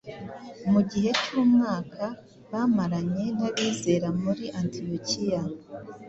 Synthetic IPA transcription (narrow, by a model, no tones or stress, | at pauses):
muɟihe̞cuːmŋaːkʰa | βamaɾaɲe̞naβiːze̞ːɾamuɾiʔantiocija